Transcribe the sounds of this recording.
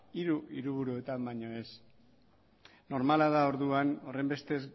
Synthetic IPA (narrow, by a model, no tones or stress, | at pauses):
iɾuiɾuβ̞uɾue̞t̪ambaɲo̞e̞s | no̞ɾmalaðao̞ɾðuano̞re̞mbe̞st̪e̞z